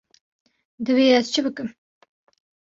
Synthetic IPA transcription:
d̪ɨweːɛzt͡ʃʰɨbɨkɨm

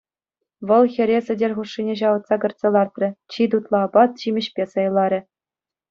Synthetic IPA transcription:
ʋɤ̆lˠxʲɘ̆ɾʲesɘ̆dʲerʲχuʂːinʲeɕ̬ɑʋɤ̆t̪sɑkɤ̆rt̪sʲĕlˠɑrt̪rʲɘ̆t͡ɕid̪ut̪lˠɑbɑt̪̚t͡ɕimʲɘ̆ɕpʲesɤ̆jlˠɑɾʲɘ̆

